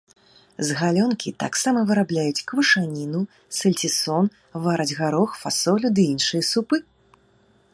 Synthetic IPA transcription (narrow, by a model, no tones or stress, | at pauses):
zɣalʲɔnkʲit̪a̰ksamɐvɨɾablʲajut͡sʲkvɨʂanʲinu | sɐlʲt͡sʲisɔn | vaɾɐd͡zʲɣaɾɔxfasɔlʲud̪ɨinʂɨjɐsupɨ